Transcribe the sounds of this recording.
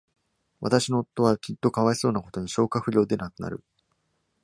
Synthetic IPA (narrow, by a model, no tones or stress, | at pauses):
βa̰t̪aɕino̞ːt̪ːo̞βakʲit̪ːo̞kaβaeso̞ːnako̞t̪o̞ɲ̟iɕo̞ːkaɸɯ̟ɾʲo̞ːd̪e̞nakɯ̟na̰ɾɯ̟̰